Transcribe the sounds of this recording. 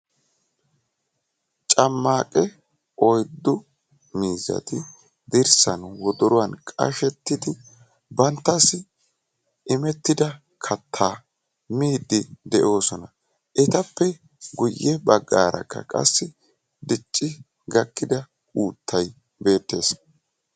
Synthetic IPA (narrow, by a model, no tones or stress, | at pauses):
t͡ʃʼɐmːaːkʼɛ | ʔɔjd̪ːʊ | miːzɐ̰t̪ɪ | d̪ɪɾsɐnwɔd̪ɔɾʊwɐnkʼɐ̰ʃɛt̪ːɪd̪ɪ | bɐnt̪ːɐsɪ | ʔɪmɛt̪ːɪd̪ɐ | kʰɐt̪ʰːaː | miːd̪ɪd̪ɛʔo̞ːsɔnɐ | ʔɛt̪ɐpːɛ | ɡʊjːɛbɐɡːa̰ːɾɐ̰kːɐ̰kʼɐ̰sːɪ | d̪ɪt͡ʃʼːɪ | ɡɐkːɪd̪ɐ | uːt̪ʰːɐj | be̞ːt̪ːe̞ːs